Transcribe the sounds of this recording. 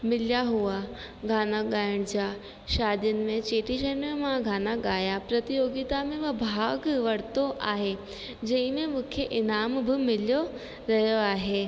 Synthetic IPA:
mɪljaɦua | ɡʱaːnaɠaːɪɽ̃d͡ʑaː | ʃaːd̪jʊnɪ̆mẽt͡ɕeːʈiʃənmẽmãɡʱaːnaɠaːjapɾɐt̪ijoːɡit̪amẽʋɐbʱaːɡʋɐɽt̪oʔaːɦe | d͡ʑɐ̃ɦɪ̃mẽmũːkʰeʔɪnaːmbɪmɪljo | ɾɐɦjoaːɦeː

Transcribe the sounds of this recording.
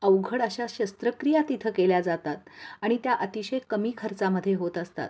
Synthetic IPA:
əʋɡʱəɽəɕaɕəst̪ɾəkɾijat̪it̪ʰəkeljad͡zat̪at̪aɽ̃it̪jaʔət̪iɕekəmiːkʰəɾt͡saməd̪ʱːjeɦot̪əst̪a̰t̪

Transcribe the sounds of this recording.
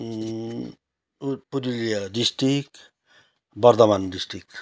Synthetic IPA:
puɾilijʌdisʈɾik | bʌɾd̪ʌmandisʈɾik

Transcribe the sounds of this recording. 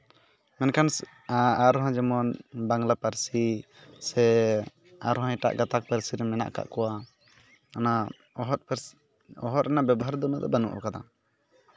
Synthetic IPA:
mɛnkan | aɾɔɦãd͡ʒɛmɔnbaŋlapəɾsi | sɛ | aɾɔɦãjʈa̰ʔɡat̪ak̚pəɾsiɾɛmɛna̰ʔka̰ʔkɔwa | ana | ɦt̪ | ɔɦɔt̪ɛnabɛbɔɦaɾd̪ɔmad̪ɔbɛnṵʔɔ̰kad̪a̰

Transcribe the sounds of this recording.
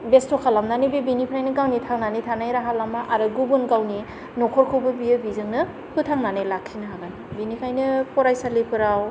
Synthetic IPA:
bestokʰalamnanibebinipʰɾajnɯɡawnitʰaŋnanitʰanajɾaɦalamaʔaɾɯɡubunɡawni | nɔkʰɔɾkʰɯwbɯbiɯbizɯŋnɯ | pʰɯtʰaŋnanajlakʰːinaɦaɡaj | binikʰajnɯpɔɾajsalipʰɯɾaw

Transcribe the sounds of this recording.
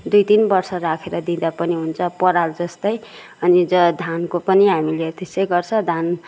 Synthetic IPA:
d̪ujt̪inbʌrsʌɾakʰeɾʌd̪ĩd̪apʌniɦunt͡sʰʌpʌɾald͡zʌst̪ʌj | ʌnid͡zʌd̪ʱankopʌniɦamilet̪esʌjɡʌrt͡sʰʌd̪ʱan

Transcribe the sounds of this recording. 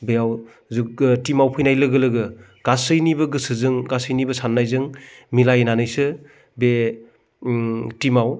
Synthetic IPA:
beaw | zɯtimawpʰɯjnajlɯɡɯlɯɡɯ | ɡ̥asɯjnibɯɡɯsɯzɯŋɡasɯjnibɯsanːajzɯŋmilajnanɯjsɯ | be | timaw

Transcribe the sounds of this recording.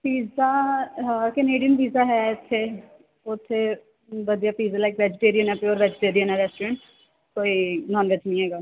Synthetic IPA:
piːzaː | kəneːɖɪjənpiːzaːɦɛɪt̪ʰːe | ʊt̪ʰːe | ʋəd̪ijaːpiːzaːlaːkʋɛːd͡ʒɪʈeːɾijənɛːpeɔːɾʋɛːd͡ʒɪʈeːɾijənɛɾɛːsʈːɾɛ̃ːɳʈ | koːiːnɔːnʋɛt͡ʃnĩːɦɛːɡaː

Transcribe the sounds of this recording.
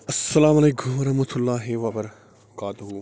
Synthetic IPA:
ɐsːɐlaːmɐleːkʊmɐɾɐɦmɐt̪ʰʊlːaːɦeʋapɐɾ | kaːt̪ɦuː

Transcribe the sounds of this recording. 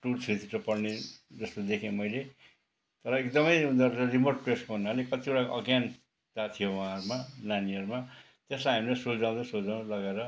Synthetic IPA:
ʈurt͡sʰit̪ʰitopʌrned͡zʌst̪od̪ekʰẽmʌjle | t̪ʌɾʌek̚d̪ʌmʌjũnd̪ʌɾʌrimorʈ̚preskoɦunːalekʌt̪ikoɽakʌɡjan | t̪at̪ʰijowʌaãʌɾumananiʌɾuma | t̪eslaɦamilasuld͡zãw̃d̪ʌsold͡zaw̃lʌɡeɾʌ

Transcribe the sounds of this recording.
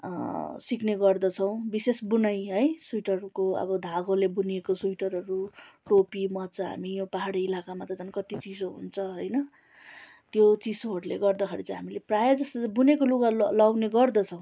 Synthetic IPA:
sikneɡʌrd̪ʌt͡sʰʌw̃bisesbunʌjɦʌjsujʈʌrkoʌ̰bʌd̪ʱaɡolebuniekosujʈʌɾɦʌɾuʈopimʌt͡saɦa̰mijõpaɦaɽiilakamat̪ʌd͡zʌnkʌt̪it͡sid͡zoɦṵnt͡sʰʌɦʌjnʌ | t̪jot͡sisoɦʌɽulḛɡʌrd̪ʌkʰeɾit͡saj̃ɦamileprajʌd͡zʌst̪ʌbunekoluɡalawneɡʌrd̪ʌt͡sʰʌw̃

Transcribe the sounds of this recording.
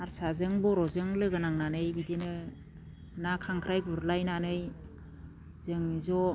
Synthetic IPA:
aɾsazɯŋbɔɾɔzɯŋlɯɡɯnaŋnanɯjbidenɯ | nakʰaŋkʰɾajɡuɾlajnanɯj | zɯŋzɔ

